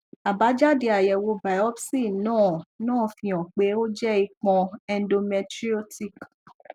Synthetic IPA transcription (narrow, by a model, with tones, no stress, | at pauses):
a˨ba˨˦d͡ʒa˦de˧a˨jɛ˧wo˧ba˨˦ɔ˦bsi˦˨nãː˦˨nãː˦˨fĩ˧ɔ̃˨k͡pe˨˦o˦d͡ʒɛ˦i˧k͡pɔ̃˧ɛ˧n˦do˧mɛ˧tɾi˦o˦ti˦˨k